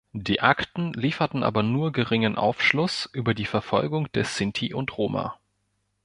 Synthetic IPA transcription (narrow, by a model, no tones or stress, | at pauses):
d̥iːʔaktn̩liːfɐtn̩ʔa̰ːbɐnuːɐɡəʁɪŋənʔa̰ʊfʃlʊsʔyːbɐdiːfɛɐfɔlɡʊŋd̥ɛɐsɪntʰiʔʊntʁ̥oːma̰